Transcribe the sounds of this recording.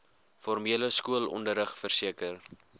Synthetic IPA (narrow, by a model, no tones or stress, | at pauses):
fɔrmiələskuəlɔ̰ndəɾəχfərsiəkər